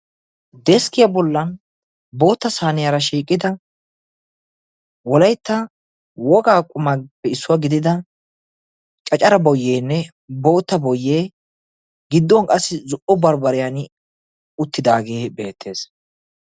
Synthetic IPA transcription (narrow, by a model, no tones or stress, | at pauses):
d̪ɛskɪjɐbɔlːɐn | bo̞ːt̪ːɐsaːnɪjaɾɐʃiːkʼːɪd̪ɐ | wɔlɐjt̪ːɐ | wɔɡaːkʼʊmɐpːɛɪsːʊwaɡɪd̪ɪd̪ɐ | t͡ʃʼɐt͡ʃʼɐɾɐbɔjːeːnːɛ | bo̞ːt̪ːɐbɔjːeː | ɡɪd̪ːɔŋkʼɐsːɪzʊʔɔbɐɾbɐɾɪjan | ʊt̪ːɪd̪aːɡe̞ːbe̞ːt̪ʰːe̞ːs